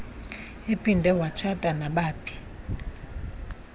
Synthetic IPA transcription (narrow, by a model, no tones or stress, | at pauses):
epʼindʱɛwat͡ʃʰatʼanaɓaːpʰi̥